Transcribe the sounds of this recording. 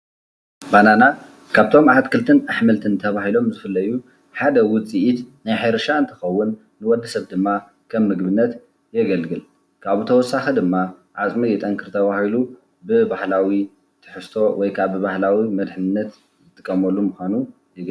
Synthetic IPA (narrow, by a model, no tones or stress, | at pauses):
banana | kʰaβt̪ʰo̞mʕat̪kʰɨlt̪ʰɨnaħmɨlt̪ʰɨnt̪ʰɐβahilo̞mzɨfɨlːɐju | ħad̪ɐwʊt͡sʼiʔit̪najħajɾɐʃaɨnt̪ʰɨxɐwːʊnː | ɨwɔd̪ɐsɐβd̪ɨmːa | kʰɐmːɨɡbɨnːɐt̪ | jɛɡɐlɡɨl | kʰaβut̪ʰɐwɔsːaxed̪ɨmːa | ʕat͡sʼmijɛt̪ʼɐŋkʰɨɾt̪ʰɐβahilu | bɨbahlawi | t̪ʰɨ̥ħɨst̪ʰo̞wɔjkʰaβɨbahlawimɐd̪ħɨnnːɐt̪ | zɨt̪ʼːɨkʼːɐmɐlumuxʷanu | jɛɡ